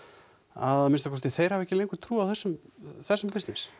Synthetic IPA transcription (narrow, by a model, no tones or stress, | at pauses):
a̰ðmɪnst̪akʰɔst̪iθejɾ̥havɛcːɪlejŋkʏt̪ʰɾuːawθɛsːʏmθɛsːʏmpɪst̪nɪs